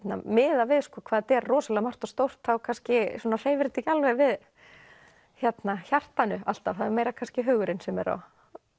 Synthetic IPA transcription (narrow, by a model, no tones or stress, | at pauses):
t̪na̰mɪːðavɪðskɔːkʰvaːðt̪ɛɾːɔːsalɛɣamar̥t̪ɔst̪owr̥t̪θawkʰanscɪsuːnar̥eːjvɪɾt̪icalvɛvɪð | çjɛt̪naçar̥t̪anʏal̥t̪avθaðɛɾmeːjɾakʰanscɪɦœːɣʏɾɪnsɛmɛ̰ɾɔ̰